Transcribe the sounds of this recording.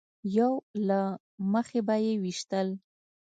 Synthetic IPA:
jawla | məxebajewiʃt̪əl

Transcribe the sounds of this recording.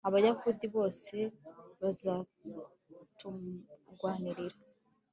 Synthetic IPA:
aβajakudiβo̞ːse̞βazaː | tuɡwaːniɾiɾa

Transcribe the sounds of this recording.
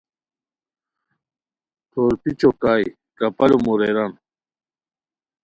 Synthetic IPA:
t̪ʰoːɾpit͡ɕokaːj | kɐpɐlomuɾeɾɐn

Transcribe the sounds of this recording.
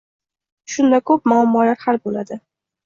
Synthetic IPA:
ʃʊnd̪akʰɵp̚maːmːɒlaɾhalbolad̪ɪ

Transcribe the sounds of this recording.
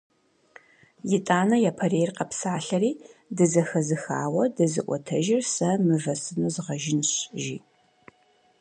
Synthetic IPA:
jɪtʼaːnɐjaːpʰɐrejrqɐpsaːɬɐɾiːdɨzɐxɐzɨxaːwɐdɐzɨ̰ʔʷɔ̰tʰɐʒɪrsɐmɨvɐsɨnuzɨʁɐʒɪnɕʒḭː

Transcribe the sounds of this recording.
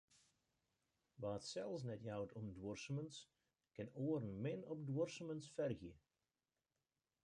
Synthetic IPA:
ʋaːətsɛlˠfs̬nɛtjawtʰɔmdwɔrsəməns | kɪnoːəɾənmɪnɔp̚dwɔrsəmənsfɛrɣjə

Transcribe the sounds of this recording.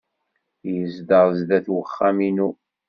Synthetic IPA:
jəzd̪əʁˤzðæθwəχːæminu

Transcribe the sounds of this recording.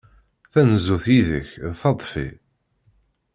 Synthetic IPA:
θænzuθiðə̰çðθɑt̪ˤfḭ

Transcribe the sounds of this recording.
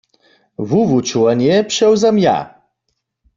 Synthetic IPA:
vuvut͡ʃuwanjɛpʂɛwzamja̰

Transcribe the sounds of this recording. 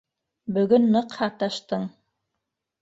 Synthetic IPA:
bɵ̆ɡɵnːɤqhɑt̪ɑʃt̪ɤɴ

